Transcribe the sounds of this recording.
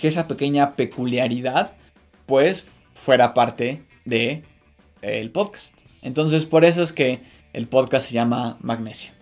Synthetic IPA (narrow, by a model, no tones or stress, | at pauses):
kees̬ape̞ke̞ɲape̞kuljaɾiðað | pwe̞s | fwe̞ɾapaɾt̪e̞ | ðe̞ | elpo̞ðkḁst̪ | ent̪o̞ns̬e̞spo̞ɾe̞s̬o̞e̞ske̞̰ː | lpo̞ðkast̪seʝamamaɣne̞sjḁ